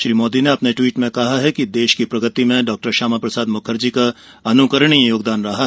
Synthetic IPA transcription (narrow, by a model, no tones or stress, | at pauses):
ʃɾiːmoːd̪ineɐpneʈwiːʈmẽkɐɦaɦɛkid̪eːʃkipɾɐɡət̪imẽɖɔːk̚ʈəɾʃaːmapɾɐsaːd̪mʊkʰəɾd͡ʒika | ɐnukəɾəɽ̃ijoːɡd̪aːnɾɐɦa